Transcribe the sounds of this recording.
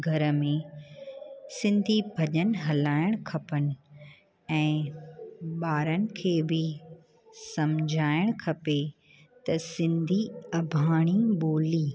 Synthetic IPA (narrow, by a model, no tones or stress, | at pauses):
ɡʱɐɾə̆mẽ | sɪ̃nd̪ʱibʱɐʄənɪ̆ɦɐlaːɪɽ̃kʰɐpənɪ̆ | ɛ̃ː | ɓaːɾənɪ̆kʰeːbɪ | sɐmd͡ʑʱaːɪɽ̃kʰɐpe | t̪ɐsɪ̃nd̪ʱiɐbʱaːɽ̃iɓoːliː